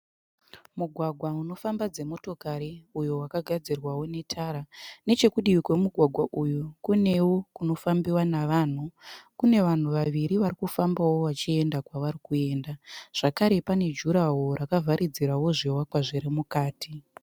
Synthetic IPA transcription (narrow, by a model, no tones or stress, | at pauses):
muɡʱwaɡʱwauno̞fambad͡ze̞mo̞to̞kaɾiujowakaɡʱad͡zirwawo̞ne̞tʰaɾane̞t͡ʃe̞kuɗiwikwe̞muɡʱwaɡʱwaʔujukune̞wokuno̞fambiwanaʋaːn̤ukune̞ʋan̤uʋaʋiɾiʋaɾikufambawo̞ʋat͡ʃie̞ndakwaʋaɾikue̞ːndaʐ̥akaɾe̞pane̞d͡ʒuɾawo̞ɾakavʱaɾʔid͡ziɾawo̞ʐiwakwaʐiɾimukaːti